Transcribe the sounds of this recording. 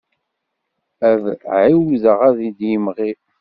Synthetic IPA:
ævʕiwiðəʁæðid̪jimʁi

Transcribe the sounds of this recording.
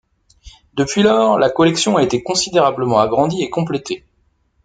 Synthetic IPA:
d̪əpɥilœːʁlakɔlɛksjɔ̃aet̪ekɔ̃sid̪eʁabləmɑ̃aɡʁɑ̃d̪iekɔ̃plet̪e

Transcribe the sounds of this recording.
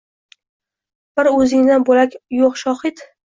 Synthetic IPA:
b̥ɪɾɵzɪŋnanbolakʲjoqʃɒhɪt̪

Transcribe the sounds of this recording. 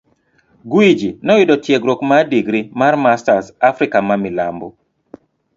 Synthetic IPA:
ɡwid͡ʒinɔwɪdɔtjeɡɾokmadiɡɾimarmastasafɾɪkamamɪla̰mbɔ

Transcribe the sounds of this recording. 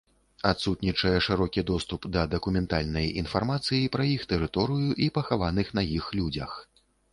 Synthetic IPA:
at̪sut̪nʲit͡ʂɐjɛʂɨɾɔkʲid̪ɔst̪upd̪ɐd̪ɐkumʲɛnt̪alʲnɐjinfarmat̪sɨjipɾɐjixt̪ɛɾɨt̪ɔɾɨjuʔipɐxavanɨxn̪ɐjixlʲud͡zʲɐ̰x

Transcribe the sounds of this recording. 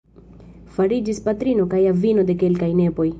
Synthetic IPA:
faɾid͡ʒispatɾino̞kajavino̞de̞ke̞lkajne̞po̞j

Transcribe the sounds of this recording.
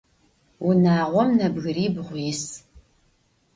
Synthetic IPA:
wʊnaːʁʷɔmnɐbɣɨɾiːbʁʷjːs

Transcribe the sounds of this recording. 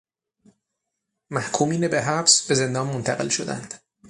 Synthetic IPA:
mæhkʰuːmiːnebeɦæbsbe̞ze̞nd̪ɒːnmont̪ʰæɣe̞lʃo̞d̪æ̰nd̪̥

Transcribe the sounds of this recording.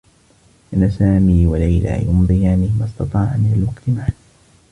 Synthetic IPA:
ʔanːasaːmiːwalajla̰ːjʊmðˤiaanɪmɑst̪ɑt̪ˤɑːʕamɪnalwaqt̪ɪmaʕan

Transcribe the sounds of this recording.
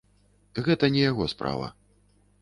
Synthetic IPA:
ɣɛt̪ɐnʲɛjaɣɔspɾa̰vɐ̰

